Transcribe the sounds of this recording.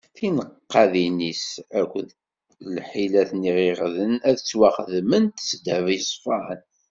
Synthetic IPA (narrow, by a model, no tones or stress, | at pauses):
θinəqːɑðinisækʷːð | lħilæθniʁiʁðənæðt͡sːwɑχðmənt̪sd̪ævisˤfɑn